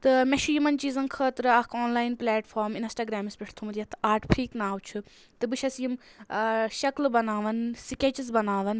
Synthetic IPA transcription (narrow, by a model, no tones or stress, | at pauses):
t̪ɨmeʃujimɐnt͡ʃiːzɐnkʰəːt̪ɾɨɐkʰoːnlaːjnplʲaːʈfʰoːɾminsʈaːɡɾaːmispʲiʈʰt̪ʰumɾijɐt̪ʰaːɾʈpʰɾiːknaːwt͡ʃʰu | t̪ɨbɨʃʰɐsjim | ʃɐklbɐnaːʋɐnsikʲet͡ʃizbɐnaːʋɐn